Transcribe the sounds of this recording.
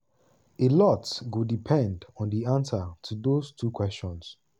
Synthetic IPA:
elɔtsɡodipʰɛ̃ndɔ̃ndiãnsətʰudostʰukwɛst͡ʃɔ̃ns

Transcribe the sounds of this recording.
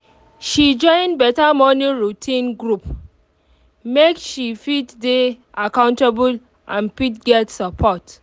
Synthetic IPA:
ʃid͡ʒɔ̃ɪ̃nbɛtamɔniɹutʰĩnɡɹup | mekʃifitde | ʔakãʊ̃ntabul | ʔã̰npitɡɛtsəpʰɔt

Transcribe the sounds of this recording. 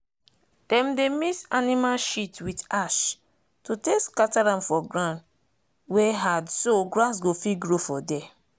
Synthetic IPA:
d̥ɛ̃mdemisanĩmalʃitwidaʃ | tuteskataɾãmfɔɡɹãn | weɦadsoɡɾãns̬ɡofiɡɹofɔdɛ

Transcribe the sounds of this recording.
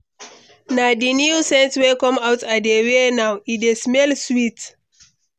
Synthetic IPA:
nadinjiusɛ̃ntwekɔ̃mawtadewenawidesmɛlswit

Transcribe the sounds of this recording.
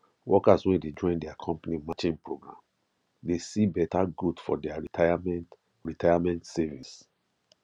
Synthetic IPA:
wɔkaswɛ̃nded͡ʒɔ̃ɪ̃ndɛakʰɔ̃mpanimat͡ʃĩnpɹoɡɹã̰m | desibɛtaɡudfɔdɛaɹiaamn | ɹitʰajamɛ̃ntsɛvis

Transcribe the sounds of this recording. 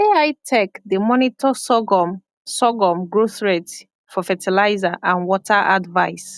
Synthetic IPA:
eajtʰɛkdemɔnitʰɔsɔɡɔm | sɔɡɔmɡɹoθɹet | fɔfɛtʰilajzaʔãnwɔtʰaʔa̰dvaɪs

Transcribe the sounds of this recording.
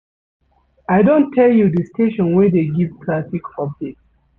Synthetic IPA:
aɪdõntʰːɛljudəstʰeʃɔ̃nwɛdeɡivkʰlasikɔb̚d͡ʒek̚s

